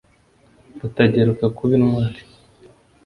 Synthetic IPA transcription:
ɾutaɟeɾukakʰuβinŋwaːɾi̥

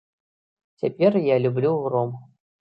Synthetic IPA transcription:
t͡sʲapʲɛrjalʲublʲurɔm

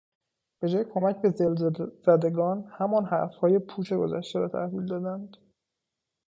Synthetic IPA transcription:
b̥e̞d͡ʒɒːjekʰo̞mæcbe̞zelzæd̪e̞ɡɒːnhæmɒːnɦæ̰ɾfhɒːje̞pʰuːt͡ʃʰe̞ɡo̞̰zæ̰ʃt̪eɾɒːt̪ʰæ̰hviːld̪ɒːd̪ænd̪̥

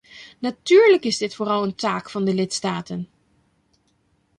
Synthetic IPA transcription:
natyːɹləkɪzdɪtfoːrɑlˠəntaːkfɑndəlɪtstaːtən

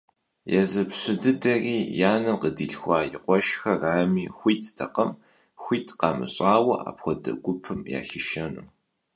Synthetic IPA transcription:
jɛzɐpɕɪdɨdɐriːjaːnɐmqədiɬxʷɑːjɪqʷɔʃxɐraːmiːxʷiːtʰtʰɐqɐm | xʷiːtʰqɑːmɨ̰ɕʼaːwɐʔa̰ːpxʷɔdɐ̰ɡʷʊpʰɨmja̰ːɬɪʃɐnṵː

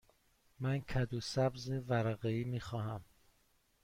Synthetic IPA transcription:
mænkʰæd̪uːsæbzevæɾæɣeiːmiːxɒːhæm

